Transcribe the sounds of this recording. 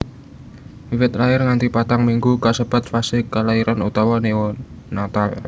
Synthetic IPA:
iwɪt̪laɪrŋant̪ipat̪aŋmiŋɡukasəb̥a̤t̪̚fasɪkalaiɾʔanut̪awɔnewɔnat̪al

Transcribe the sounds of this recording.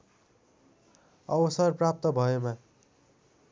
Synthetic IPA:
ʌbʌsʌrprap̚t̪ʌbʱʌema

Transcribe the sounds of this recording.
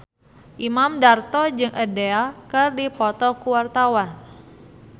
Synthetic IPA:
ʔimamdart̪ɔd͡ʒɨŋʔədeakɨrdipɔt̪ɔkuwart̪awan

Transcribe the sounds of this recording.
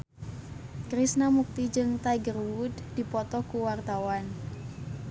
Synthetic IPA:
kɾisnamuk̚t̪id͡ʒɨŋt̪ajɡərwud̪d̥ipɔt̪ɔkuwart̪awan

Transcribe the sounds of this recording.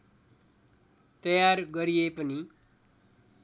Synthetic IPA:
t̪ʌjaɾɡʌɾijepʌni

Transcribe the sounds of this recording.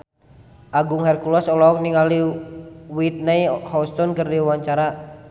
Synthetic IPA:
ʔaɡuŋhɛrkulɔsɔlɔk̚niŋali | wit̪̚naihɔust̪ɔnkɨrdiwaɲt͡ʃaɾa

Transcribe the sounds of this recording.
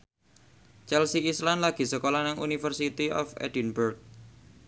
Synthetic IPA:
t͡ʃɛlsiislanlaɡ̥i̤səkolanaŋunifərsit̪iɔ̰fɛ̰dinburk̚

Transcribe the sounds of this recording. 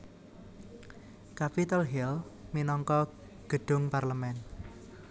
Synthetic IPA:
kapit̪alɦɛlminɔŋkɔ | ɡ̥ə̤ɖ̥ʊ̤ŋparləmɛn

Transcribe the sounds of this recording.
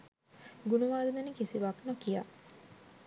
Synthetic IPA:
ɡunuʋaːɾud̪unikisiʋaknokija̰

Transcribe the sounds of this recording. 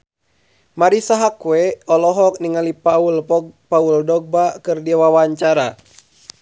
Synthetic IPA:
maɾisaɦakwɛɔlɔɦɔk̚niŋalipaulpɔpauldɔɡ̚bakɨrdiawawaɲt͡ʃaɾa

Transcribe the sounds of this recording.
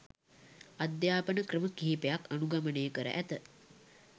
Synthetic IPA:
ad̪jaːpənəkrəməkiɦipejakanuɡamənejəkəɾə̰ʔæt̪ə

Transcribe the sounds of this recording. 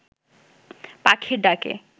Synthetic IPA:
pakʰiɖakḛ

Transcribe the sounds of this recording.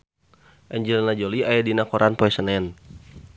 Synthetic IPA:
ʔɛɲd͡ʒəlnad͡ʒoliajadinakɔɾʔanpoɛsənɛn

